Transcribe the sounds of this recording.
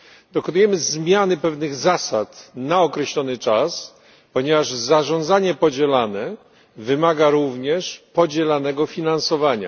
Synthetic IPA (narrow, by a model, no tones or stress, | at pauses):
d̪̥ɔkɔnujɛmɘzmʲjanɘpɛvnɘɣzasat̪naɔkɾɛɕlɔnɘt͡ʂas | pɔɲɛvaʐzaʐɔ̃nd̪zaɲɛpɔd͡ʑɛlanɛ | vɘmaɡaɾuvɲɛʂpɔd͡ʑɛlanɛɡɔfʲinansɔvaɲa̰